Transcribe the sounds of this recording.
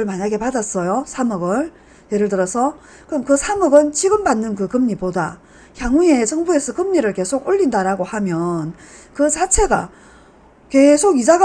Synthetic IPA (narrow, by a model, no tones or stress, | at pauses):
ɯɭmaɲaɡe̞padas͈ʌjosʰamɯɡɯɭ | je̞ɾɯɭtɯɾʌsʰʌ | kɯʌmkɯsʰamʌɡɯnt͡ɕiɡɯmbanːɯnkɯkɯmɲipoda̰ | çjaŋuet͡ɕʰʌŋbue̞sʰʌkɯmɲiɾɯɭke̞sʰoɡoʎːindaɾaɡohamjʌn | kɯsʰat͡ɕʰe̞ɡa̰ | ke̞sʰoɡid͡ʑaɡ